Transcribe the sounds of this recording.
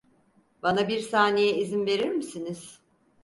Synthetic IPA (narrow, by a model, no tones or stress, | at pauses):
banabiɾsaːnejɛizinve̞ɾiɾmisiniz̥